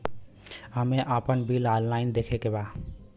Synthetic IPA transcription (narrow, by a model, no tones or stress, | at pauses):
ɦəmeʔapənbilallaɪnd̪ekʰekeba